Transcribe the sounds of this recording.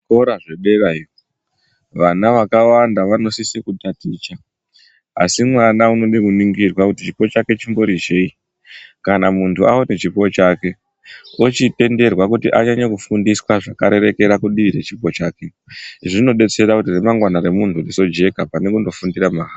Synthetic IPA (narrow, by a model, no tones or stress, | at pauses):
koɾaʐe̞ɓe̞rairo | ʋanaʋakawandaʋano̞sisikutatit͡ʃa | a̰simwanauno̞ɗekuniŋɡirwakutit͡ʃipo̞t͡ʃake̞t͡ʃimbo̞ɾid͡ʒei | kanamuntʰuaonet͡ʃipo̞t͡ʃaːke̞ | ot͡ʃite̞nde̞rwakutiʔaɲaɲakufundiswaʐakaɾe̞ɾe̞ke̞ɾakuɗiʋiɾat͡ʃipo̞t͡ʃaːke̞ | ʐino̞ɓe̞t͡se̞ɾakutiremaŋɡwanaɾe̞munturiso̞d͡ʒe̞kapane̞kundo̞fundiɾamaɦa